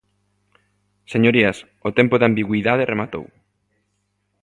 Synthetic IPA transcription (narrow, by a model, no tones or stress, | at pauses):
seɲoɾiɐs | ot̪empoðambiɣwiðaðeremat̪o̰w